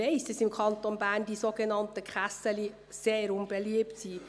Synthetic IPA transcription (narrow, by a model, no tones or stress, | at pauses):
ɛɪsdɑsɪmkʰɑnt̪onbæːʁnd̥isoːɡənɑntəkχæsəli | seːɾʊnbɛliəptsiː